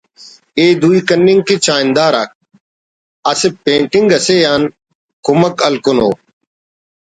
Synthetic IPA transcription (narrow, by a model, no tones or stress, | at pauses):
eːd̪uːiːkənːɪŋɡkit͡ʃaːɪnd̪aːɾa̰ːk̚ | ɐsepẽːɳʈɪŋɡɐseːjaːn | kʊməkɐlkʊno̰ː